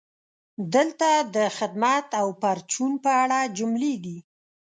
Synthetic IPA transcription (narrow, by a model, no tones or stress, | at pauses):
d̪əlt̪ad̪əxɪd̪mat̪awpaɾt͡ʃunpəaɽad͡ʒʊmleɡ̪i